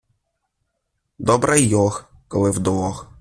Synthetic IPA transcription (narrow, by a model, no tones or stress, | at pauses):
d̪ɔbɾʔɐjɔx | kɔlˠɪwd̪ɔɔx